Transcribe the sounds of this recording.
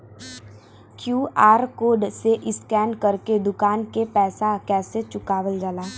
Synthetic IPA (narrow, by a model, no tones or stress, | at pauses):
kjuːaːɾkoːɖseʔɪskɛːnkɐɾked̪ʊkaːnkepɛːsakɛːset͡ʃʊkaːʋəld͡ʒəlaː